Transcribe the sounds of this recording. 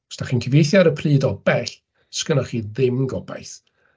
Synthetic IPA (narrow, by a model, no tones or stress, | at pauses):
ɔ̥staχiːnkʰəvejθjaɾəpʰriːdɔbɛɬ | skənɔχiːðɪmɡɔba̰jθ